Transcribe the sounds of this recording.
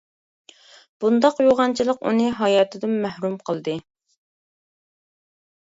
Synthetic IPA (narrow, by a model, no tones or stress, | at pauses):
b̥und̪ɑqjoʁɑnt͡ʃʰilˠəqṵnɨɦɑjɑːt̪ʰɨd̪ɪmːæhɾumqʰəlˠd̪ɨ